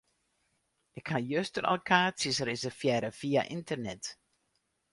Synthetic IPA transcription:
ʔɪkhajøstəɾʔɛ̰lˠkʰaːsəsrɪsərfjɛɾəfiːa̰ʔɪntərnɛt

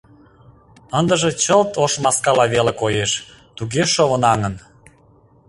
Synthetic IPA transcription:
ənd̪əʒĕt͡ɕəlt̪oʃmɑskɑlɑβelekojeʃ | t̪uɣeʃoβənɑŋən

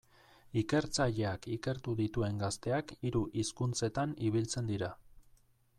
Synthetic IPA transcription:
ike̞ɾt͡saʎe̞akike̞ɾt̪uðit̪ue̞ŋɡast̪e̞akiɾuʔiskunt͡se̞t̪aniβ̞ilt͡se̞nd̪iɾa

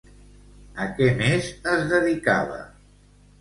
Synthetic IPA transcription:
əkɛmezəzðəðikaβə̰

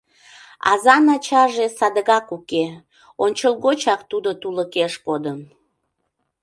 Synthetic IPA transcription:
ɑ̰zɑnɑt͡ɕɑʒesɑd̪əɣɑkuke | onʲt͡ɕəlˠɣot͡ɕɑkt̪ud̪ot̪uləkeʃkod̪ən

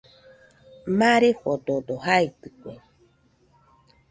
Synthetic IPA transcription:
maɾeɸod̪od̪ohait̪ɯkʷe

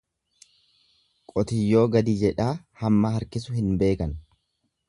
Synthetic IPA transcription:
kʼɔt̪ɪjːo̞ːɡɐd̪iːd͡ʒɛᶑaː | hɐmːɐhɐɾkɪs̬ʊhɪnbe̞ːkɐn

